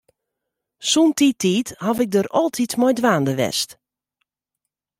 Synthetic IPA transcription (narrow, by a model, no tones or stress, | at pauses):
suntitʰiːthavɪk̚dəɾɔlˠtʰitmɔjdʋaːndəʋɛ̰st